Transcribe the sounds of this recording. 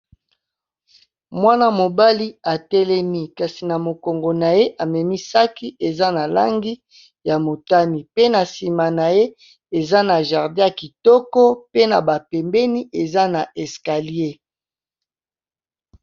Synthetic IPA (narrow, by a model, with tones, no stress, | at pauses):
mwa˦na˦mo˨ba˦li˦a˨tɛ˦lɛ˦mi˦ka˨si˨na˨mo˨ko˨ŋɡo˨na˨je˦ʔa˨mɛ˨mi˦sa˦ki˦ʔe˨za˦na˨la̰˦ŋɡi˦ | ja˨mo˨ta˦ni˨pe˦na˨si˨ma˨na˨je˦ | e˨za˦na˨ʒa˨ʁdɛ̃˦a˨ki˨tɔ˦kɔ˦pe˦na˨ba˨pɛ˨mbɛ˦ni˦ʔe˨za˦na˨ʔɛ˨ska˨li˦e˦